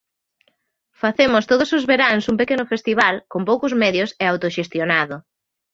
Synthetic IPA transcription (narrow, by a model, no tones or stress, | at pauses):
faθemʊst̪oðʊsʊzβeɾaŋsumpekenʊfest̪iβ̞alkompowkʊzmɛðjʊseawt̪oʃest̪jonaðʊ